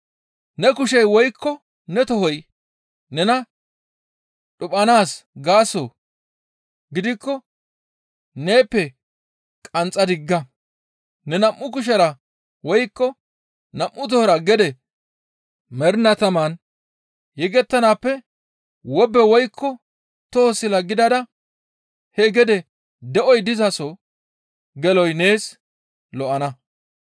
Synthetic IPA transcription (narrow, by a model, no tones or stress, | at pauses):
nɛkʊʃɛjwɔjkʰːɔ | nɛt̪ɔhɔj | nɛnɐ | ɗʊpʼːɐnaːsɡaːso̰ː | ɡɪd̪ɪkːɔ | neːpːɛ | kʼɐnt͡sʼːɐd̪ɪɡːɐ | nɛnɐmːʊkʊʃ̬ɐɾɐ | wɔjkːɔ | nɐmːʊt̪̬ɔhɾɐɡɛd̪ɛ | mɛɾnɐt̪ɐman | jɛɡɛt̪ːɐnaːpːɛ | wɔbːɛwɔjkʰːɔ | t̪oːsɪlɐɡɪd̪ɐd̪ɐ | hɛɡɛd̪ɛ | d̪ɛʔɔjd̪ɪzɐsɔ | ɡɛlɔjne̞ːs | lɔʔɐnɐ